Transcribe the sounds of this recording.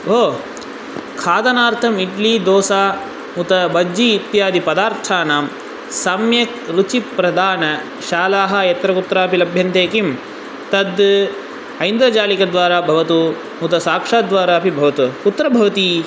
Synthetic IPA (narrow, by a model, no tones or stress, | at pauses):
ɦoː | kʰaːd̪ɐnaːɾt̪ʰɐmiʈliːd̪oːsaː | mut̪ɐbɐd͡ʒiːt̪jaːd̪ipɐd̪aːɾt̪ʰaːnaːm | sɐmjɐkɾut͡ʃipɾɐd̪aːnɐ | ʃaːlaːɦɐjɐt̪ɾɐkut̪ɾaːɐpilɐbʱjɐnt̪eːkim | t̪ɐd̪ | ɐjnd̪ɾɐt͡ʃaːlikɐd̪ʋaːɾaːbʱɐʋɐt̪u | mut̪ɐsaːkʂaːd̪ʋaːɾaːɐpibʱɐʋɐt̪ukut̪ɾɐbʱɐʋɐt̪i